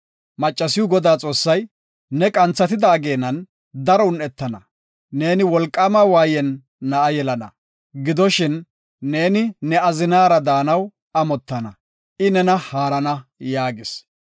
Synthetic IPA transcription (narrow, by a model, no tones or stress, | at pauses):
mɐt͡ʃʼːɐsɪjʊɡɔd̪aːt͡sʼo̞ːsːɐj | nɛkʼɐnt͡sːɐt̪ɪd̪aːɡe̞ːnːɐn | d̪ɐɾɔʊnɛt̪ːɐnɐ | ne̞ːnɪwɔlkʼːamɐwaːjɛnː | ɐʔɐjɛlɐnɐ̰ | ɡɪd̪ɔʃɪnː | e̞ːnɪnɛɐzɪnaːɾɐd̪aːnɐw | ɐmɔt̪ːɐnɐ̰ | ʔɪnɛnɐhaːɾɐnɐjaːɡɪs